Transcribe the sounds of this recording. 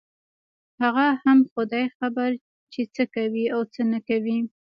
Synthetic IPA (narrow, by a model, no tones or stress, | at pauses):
haɣahamxʊd̪ɑjxabaɾ | t͡ʃet͡səkawiawt͡sənakawi